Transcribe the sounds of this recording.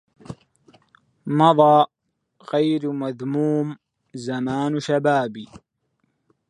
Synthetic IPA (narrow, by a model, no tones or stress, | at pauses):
mɑðˤɑː | ɣajɾmaðmuːm | zamaːnʃabaːbiː